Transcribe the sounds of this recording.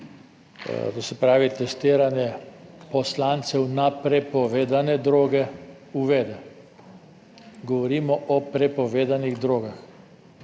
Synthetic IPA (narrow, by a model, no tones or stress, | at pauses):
t̪osɛpɾaːʋit̪ɛst̪iːɾanjɛpɔslaːnt̪sɛwnapɾɛpɔʋeːd̪anɛd̪ɾoːɡɛ | uʋɛːd̪ɛ | ɡɔʋɔɾiːmɔʔɔpɾɛpɔʋeːd̪aniɣd̪ɾoːɡax